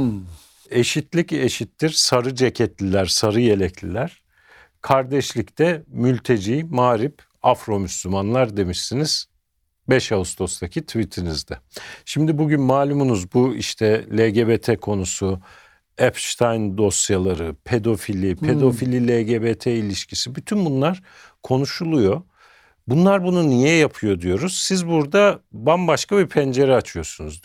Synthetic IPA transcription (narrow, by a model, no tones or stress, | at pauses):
e̞ʃit̪ʰlʲiceʃit̪ːiɾ̥saɾɯd͡ʒecʰɛt̪lʲilʲæɾsaɾɯjelʲɛclʲilʲæɾ̥ | kʰaɾd̪ɛʃlʲict̪ʰɛmylʲt̪ʰe̞d͡ʒiːmaːɾip | afɾo̞myslʲymanlˠaɾd̪e̞miʃsiniz̥ | bɛʃaust̪o̞st̪ʰacʰit̪ʰivit̪ʰinizd̪ɛʃimd̪ibuɟynmaːlʲumunuzbuḭʃt̪ʰɛlʲeɟebet̪ʰɛkʰo̞nusu | ɛpʃt̪ʰajnd̪o̞sjalˠaɾɯpʰe̞d̪o̞filʲipʰe̞d̪o̞filʲilʲeɟebet̪ʰɛilʲiʃcʰisibyt̪ʰynbunlˠaɾ̥ | kʰo̞nuʃulˠujo̞ | bunlˠaɾbununijɛjapʰɯjo̞d̪ijo̞ɾuz̥sizbuɾd̪abanbaʃkabipʰɛnd͡ʒe̞ɾɛat͡ʃʰɯjo̞sunuz